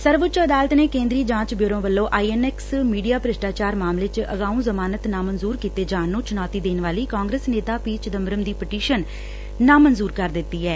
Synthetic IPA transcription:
səɾʋʊt͡ʃəd̪aːlət̪neːkẽːnd̪ɾiːd͡ʒãːt͡ʃbjoːɾõːʋəlːõːʔaːiːɛnɛːksmiːɖijaːpɾɪʃʈaːt͡ʃaːɾmaːmleːt͡ʃʔəɡaːũːzəmaːnət̪nãːmənzuːɾkiːt̪eːd͡ʒaːnːõːt͡ʃʊnaːt̪iːd̪eːnʋaːliːkaːŋɡɾəːsneːt̪aːpiːt͡ʃd̪əmɾəmd̪iːpəʈiːʃənː | ãːmənzuːɾkəɾd̪ɪt̪ːiːɛː

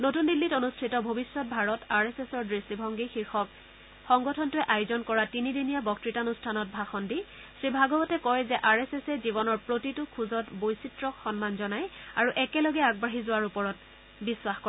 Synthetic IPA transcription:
notundilːitonustʰitɔbʱobisːɔt̚bʱaɹɔtaɹesesɔɹdɹistibʱɔŋɡixiɹxɔk̚ | xɔŋɡɔtʰɔntʊɛʔajʊzɔnkɔɹatinidinijabɔk̚tɹitanustʰanɔt̚bʱaxɔndi | sɹibʱaɡɔbɔtɛkɔjzɛʔaɹesesɛzibɔnɔɹpɹotitʊkʰuzɔtbojsitɹɔxɔnmanzɔnajaɹuʔɛkɛlɔɡɛaɡ̚baɦizʊwaɹupɔɹɔt̚ | biswaxkɔɹɛ

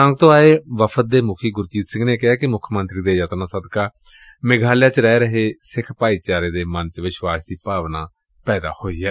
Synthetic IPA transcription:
ãːŋɡ̚t̪õːaːeːʋəpʰət̪̚d̪eːmʊkʰiːɡʊɾt͡ʃiːt̪sɪ̃ŋɡneːkɪɦaːkɪmʊkʰmənt̪ɾiːd̪eːjət̪nãːsəd̪kaː | mɪɡʱaːljãːt͡ʃɾɛːɾəɦeːsɪkʰpaːiːt͡ʃaːɾeːd̪eːmənt͡ʃʋɪʃwaːsd̪iːpaːʋnaː | pɛːd̪a̰ːhoːiːɛː

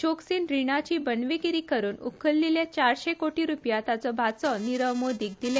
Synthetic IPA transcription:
t͡ɕoksinɾiɽ̃at͡ɕiːbənʋiɡiɾiːkəɾuːnṵkʰəlːiljat͡ɕaɾɕekoʈiɾupjat̪at͡sɔbʱat͡sɔniɾəʋmod̪ʱik̚d̪ile

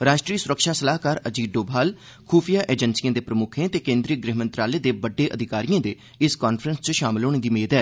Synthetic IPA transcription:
ɾaːʃʈɾiːsʊɾəkʃaːsəlaːkaːɾəd͡ʒiːɖoːbʱaːl | kʰuːpʰijaːʔeːd͡ʒənsijãːd̪eːpɾəmʊkʰẽːt̪eːkẽːnd̪ɾiːəɡɾeɦmənt̪ɾaːleːd̪eːbəɖːeːʔəd̪ʱɪkaːɾijãːd̪eː | ɪskaːnpʰɾənst͡ʃəʃaːmɪloːɽ̃d̪iːmeːd̪ɛː

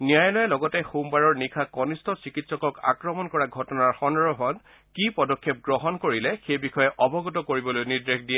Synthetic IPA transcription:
nijajɔlɔjɛlɔɡɔtɛxumbaɹɔɹnikʰakɔnistɔsikitsɔkɔka̰kɹɔmɔnkɔɹaɡʱɔtɔnaɹxɔnɹɔɦɔn | kipɔdɔkʰːɛp̚ɡɹɔɦɔnkoɹilɛxejbixɔjɛʔɔbɔɡɔtɔkoɹibɔlojniɹdɹexdijɛ

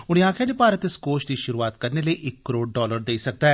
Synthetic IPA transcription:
ʊɽ̃ĩaːkʰjaːd͡ʒeːpaːɾət̪eskoːʃd̪iːʃʊɾuːaːt̪̚kəɾneːləiːʔɪkːəɾoːɖɖɔːləɾd̪eiːsək̚d̪aː

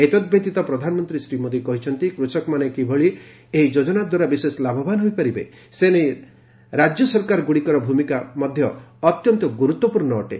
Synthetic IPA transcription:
et̪ɔd̪̚bʱet̪it̪ɔpɾɔd̪ʱanɔmɔnt̪ɾisɾimod̪ikɔɦit͡ʃʰɔnt̪ikɾusɔkɔmanekibʱɔɭi | eid͡ʒod͡ʒɔnad̪waɾabiseslabʱɔbanɦojpaɾibe | senej | ɾad͡ʒjɔsɔɾkaɾɡuɽikɔɾɔbʱumikamɔd̪ʱjɔːt̪jɔnt̪ɔɡuɾut̪wɔpuɾnɔo̰ʈe

